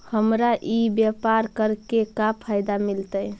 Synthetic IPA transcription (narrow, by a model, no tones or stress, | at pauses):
həmɾaʔibjapaɾkəɾkekapʰajd̪amilt̪əj